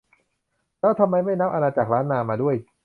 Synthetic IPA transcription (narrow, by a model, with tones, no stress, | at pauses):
lɛː˦˥wt̪ʰa˧mːa˧jma˥˩jna˦˥p̚ʔa˧naː˧t͡ɕa˨˩k̚ɾaː˦˥nːaː˧maː˧du˥˩əj